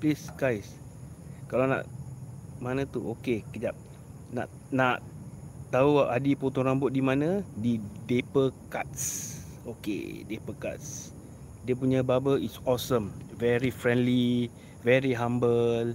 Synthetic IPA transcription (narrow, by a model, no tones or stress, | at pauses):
plisɡajs | kalana̰ʔ | manə̃t̪uokekəd͡ʒap̚ | na̰ʔ | naʔt̪auaʔadipot̪ɔŋɾambʊt̪̚dimãnə̃didepəkat̪̚s | okḛdepəka̰t̪s | diəp̬uɲãbabəisɔsəmvɛɾifɾɛ̃ndli | vɛɾiɦãmbəl